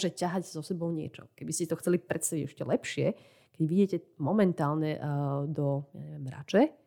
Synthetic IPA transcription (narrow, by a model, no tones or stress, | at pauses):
ʒɛcaɦaɟzɔsɛbɔʊɲɪɛ̰t͡ʃɔ̰kɛbiscɛt̪ɔxt͡sɛlipɾɛt̪st̪aʋiɟɛʃcɛlɛpʃɪɛ | kɛɟʋidɛcɛmɔmɛnt̪aːlɲɛd̪ɔja̰ɲɛʋɪɛmɾa̰t͡ʃɛ